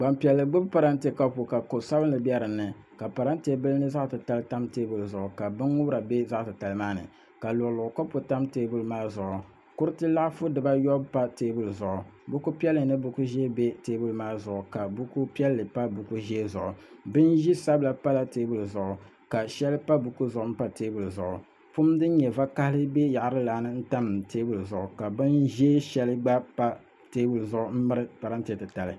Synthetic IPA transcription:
ɡ͡ba˨mpi˨ɛ˨lːɨ˨ɡ͡bɨ˦bpa˨ɾa˦n˦te˨ka˦pu˨ka˨ko˨sa˦bɨ˦nɨ˨bjɛ˦ɾɨ˨nːɨ˨ | ka˨pa˨ɾa˦n˦te˨bɨ˦lnɨ˦za˦ʔtɨ˨ta˦lɨ˦ta˦mteː˦bu˨lzʊ˨ʔʊ˨ka˨bɨ˦ŋ˦ŋʊ˦bɾa˨be˦za˦ʔtɨ˨ta˨lɨ˨˦maː˦nɨ̰˨ | ka˨lʊ˨lʊ˨ʊ˨ko˦po˨ta˦mteː˦bu˦lmaː˦zʊ˨ʔʊ˨ | kʊ˦ɾɨ˦tɨ˦la˦ʔfʊ˦dɨ˨ba˦jɔ˦bpa˦teː˦bʊ˦lzʊ˨ʔʊ˨bu˦ku˦pi˦ɛ˦lɨ˨nɨ˦bʊ˦ku˦ʒeː˦be˦teː˦bu˦lmaː˦zʊ˨ʔʊ˨ka˨bu˦ku˦pi˦ɛ˦lːɨ˨pa˦bu˨ku˦ʒɛ˦zʊ˨ʔʊ˨bɨ˦nʒi˦sa˦bla˨pa˦la˨te˦bu˨lzʊ˨ʔʊ˨ | ka˨ʃɛ˦lɨ˦pa˦bu˨ku˦zʊ˨ʔʊ˨m̩˦pa˦teː˦bu˨lzʊ˨ʔʊ˨ | pu˦mdɨ˦n˦ɲɛ˨va˦ka˦hlɨ˦be˦ja˨ʔɾɨ˦la˨˦nɨ˦n̩˦ta˦nɨ˨m˨teː˦bu˨lzʊ˨ʔʊ˨ka˨bɨ˦nʒe˦ʃɛ˦lɨ˦ɡ͡ba˦pa˦ | teː˦bu˨lzʊ˨ʔʊ˨m̩˦mɨ˦ɾɨ˦pa˨ɾa˦n̩˦tɨ˨tɨ˨ta˨lɨ˨

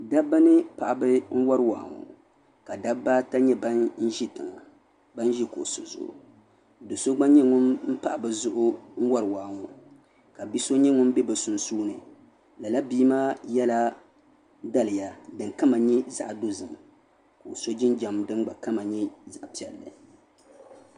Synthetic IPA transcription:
da˦bɨ˦nɨ˦pa˨ʔa˨bɨ˦n̩˦wa˦ɾɨ˦wa̰ː˨ŋṵ˨ | ka˨da˦ba˦ta˦ɲɛ˦ba˦nn̩˦ʒi˦tɨ˨ŋa˨ | ba˦n˦ʒi˦ko̰˨so̰˨zʊ̰˨ʔʊ̰˨ | dɨ˨so˦ɡ͡ba˦ɲɛ˦ŋʊ˦mm̩˦pa˦ʔa˨bɨ˨zʊ˦ʔʊ˦ŋ̩˦wa˦ɾɨ˨waː˨ŋu˨ | ka˨bi˦so˦ɲɛ˦ŋʊ˦m˦bɛ˦bɨ˨sʊ˨nsuː˦nɨ˨ | la˨la˦biː˦maː˦jɛ˦la˦ | da˦lɨ˨ja˨dɨ˨ŋka˦ma˨ɲɛ˦za̰˨ʔdo˦zɨ˨m˨ | ko˨so˦d͡ʒɪ˦nd͡ʒa˨m˨dɨ˦n˦ɡ͡ba˨ka˦ma˨ɲɛ˦za˨ʔpi˨ɛ˨lːɨ̰˨

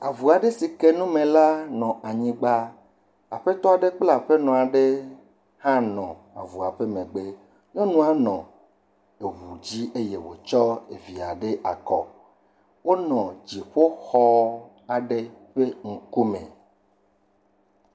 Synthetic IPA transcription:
a˨vu˨a˨ɖe˦si˨ke˦nũ˦mẽ˨la˦nɔ̃˨ʔa˨ɲĩ˦ɡ͡ba˦ | a̰˨ɸe˦t̪ɔ˦a˨ɖe˦k͡pla˨ɸe˦nɔ̃˨a˨ɖe˦ | hã˦nɔ̃˨ | a̰˨vu˨a˨ɸe˦mẽ˨ɡ͡be˦ | nɔ̃˦nũ˦a˦nɔ̃˨ | e˨wu˨d͡ʑi˦ʔe˦je˨wo̰˨t͡ʃɔ˦ḛ˨vi˨a˨ɖe˦ʔa˨kɔ˦ | wo˦nɔ̃˨d͡ʑi˨ɸo˦xɔ˦ | a˨ɖe˦ɸe˦ŋ̩˨ku˦mḛ̃˨

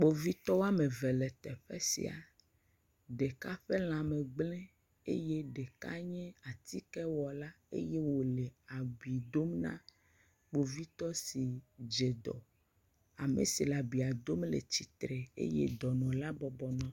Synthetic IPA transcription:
k͡po˨vi˦t̪ɔ˦wa˦me˨vɛ˨lɛ˨t̪ɛ˨ɸɛ˦sḭ˨a̰˨ | ɖe˨ka˦ɸe˦l̃ã˨mẽ˨ɡ͡blɛ̃˦ | ḛ˦je˦ɖe˨ka̰˦ɲɛ̃˦a˨t̪i˦kɛ˦wɔ˨la˦ | ḛ˦je˦wo˨le˨a˨ɡ͡bi˨d̪o˦mnã̰˦ | k͡po˨vi˦t̪ɔ˦si˨d͡ʒe˨d̪ɔ̰˨ | a˨mḛ˨si˨la˨bi˨a˨d̪o˦mlḛ˨t͡ɕi˨t̪ɾe˨ḛ˦jḛ˦d̪ɔ˨nɔ̃˨la˦bɔ˨bɔ˨nɔ̃˦

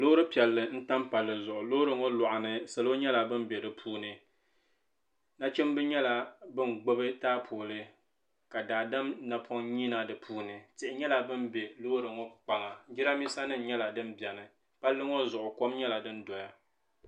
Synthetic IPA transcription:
lo˦ɾɨ˦pi˨ɛ˨lːɨ˨n̩˦ta˦mpa˨lːɨ˨zʊ˨ʔʊ˨lo˦ɾɨ˦ŋo˦lʊ˨ʔa˨nɨ˦sɨ˨lo˦ɲɛ˦la˨bɨ˦m˦bʲe˨dɨ˨pʰuː˦nɨ˨ | na˦t͡ʃɛ˦mbɨ˦ɲɛ˦la˨bɨ˦n˨ɡ͡bo˦bɨ˦taː˦pʰoː˨lɨ˦ | ka˨daː˨dɨ˦mna˨pʰo˦ŋɲiː˦na˦dɨ˨pʰuː˦nɨ˨tɪ˨ʔɪ˨ɲɛ˦la˨bɨ˦mbe˨lo˦ɾɨ˨ŋo˦k͡pa˨ŋa˨˦d͡ʒɪ˦ɾa˦mi˦sa˦nɨ˦n̩˦ɲɛ˦la˨dɨ˦m˦bjɛ˨nɨ˨ | pa˦lːɨ˦ŋo˦zʊ˨ʔʊ˨ko˦mɲɛ˦la˨dɨ˦ndɔ˨ja˦

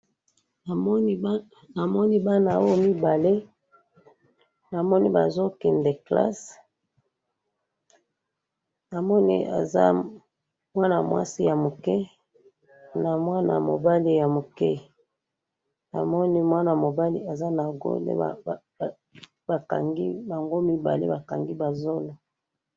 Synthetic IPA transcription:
a˨mɔ˦ni˦ba˦na˨o˦mi˦ba˨le˦ | na˨mɔ˦ni˦ba̰˨zo˦ki˨nde˨kla̰˦s | na˨mɔ˦nḭ˦a̰˨za̰˦ | mwa˦na˨mwa̰˦si˦ja˨mo˨kɛ˦ | na˨mwa˦na̰˨mo̰˨ba˦li˦ja˨mo˨kɛ˦ | na̰˨mɔ˦ni˦mwa˦na˨a˨mo˨ba˦lḭ˦a˨za˦na˨ɡo̰˦lḛ˦˨ | ba˨ka̰˨ŋɡi˦ba˨ŋɡo˦mi˦ba̰˨lḛ˦ba˨ka˨ŋɡi˦ba˨zo˦lo˨

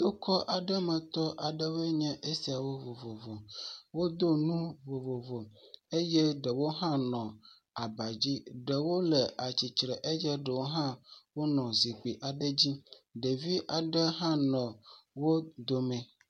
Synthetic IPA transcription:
t̪o˦kʰɔ˦ʔa˨ɖɛ˦mɛ̃˨t̪ɔ˦ʔa˨ɖɛ˦vɛ˦ɲɛ̃˦ʔe˦si˨a˨wo˦vo˨vo˨vɔ˨wo˦d̪o˦nũ˦vo˨vo˨vo˨e˦jɛ˦ɖɛ˨wo˦ɦã˦nɔ̃˨ | a˨ba˨d͡ʑi˦ɖɛ˨wo˦lɛ˨ʔa˨t͡ɕi˨t͡ʃɾɛ˨ʔe˦jɛ˦ɖɛ˨wo˦ɦã˦wo˦nɔ̃˨zi˨k͡pi˨ʔa˨ɖɛ˦d͡ʑi˦ɖe˨vi˦ʔa˨ɖɛ˦ɦã˦nɔ̃˨wo˦d̪o˨mɛ̃˨

